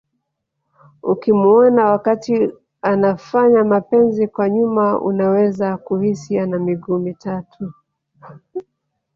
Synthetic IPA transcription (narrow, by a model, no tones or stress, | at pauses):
ukimuɔnawakati | anafaɲamapɛnzikwaɲumaṵnawɛzakuhisianamiɡuːmitatʰu